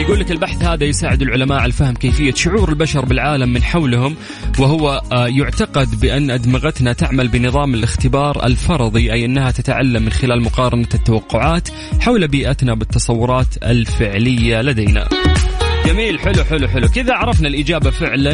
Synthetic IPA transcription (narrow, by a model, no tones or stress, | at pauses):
jɡuːlːɪkɪlbaħθhaːðajʊsaːʕɪd̪ɪlʕʊlamaːʔʕalafahmkeːfɪjːaʃʊʕuːɾɪlbaʃɑɾˤbɪlʕaːlamːɪnħawlhʊm | wɪhʊwajʊʕt̪ɑqɑd̪bɪʔanːʔad̪mɪɣat̪nat̪aʕmalbɪnɨðˤɑːmɪlʔɪxt̪ɪbɑːɾˤɪ̰lfɑɾˤɑðˤiʔajʔɪnːhat̪at̪aʕa̰lːamːɪnxɪlaːlmʊqɑːɾˤɑnat̪ːawɑqːʊʕaːt̪ | ħawlabiːʔat̪nabɪt̪ːɑsˤɑwːʊɾˤɑːt̪ɪ̰lfɪʕlɪjːalad̪ajna̰ | jamiːlħʊluħʊluħʊlukɪðaʕɑɾˤɑfnalʔɪd͡ʒaːbafɪʕla